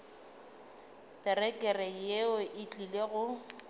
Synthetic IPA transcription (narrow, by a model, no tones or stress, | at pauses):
tɛrɛkʼɛrɛjeɔʔɪt͡ɬʼileɣʊ